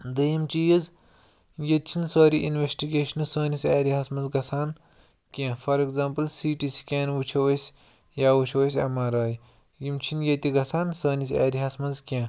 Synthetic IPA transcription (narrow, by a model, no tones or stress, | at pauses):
d̪ɐjimt͡ʃijiz | jɐt̪̚t͡ʃʰinsoːɾiʔinʋesʈiɡeːʃɐnɨsoːnisʲaːɾiɦɐsmɐnzɡɐsʰaːn | kʲãːfɐɾekzaːmplsiːʈisi̥kʲeːnʋut͡ʃʰɐwɐsʲ | jaːwut͡ʃʰɐwɐsʲɐ̰maːɾaːj | jimt͡ʃʰinjɐt̪iɡɐsʰaːnsɐːnisʲa̰ːɾiɦɐsmɐnzkʲãː